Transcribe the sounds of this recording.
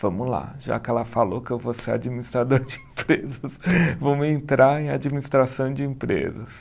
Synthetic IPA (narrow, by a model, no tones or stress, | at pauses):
v̥ɐ̃mʊla̰ʒa̰kɪɛlɐfalokɪewvosea̰d͡ʒiminist̪ɾad̪oɾd͡ʒɪẽpɾezɐsvõmɪẽnt̪ɾaɾẽj̃ad͡ʒiminist̪ɾasɐ̃w̃d͡ʒɪẽpɾḛzɐs